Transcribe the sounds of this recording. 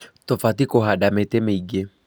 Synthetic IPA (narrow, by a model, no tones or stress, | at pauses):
t̪ɔfatikɔɦaɗamɛtɛmeiɡe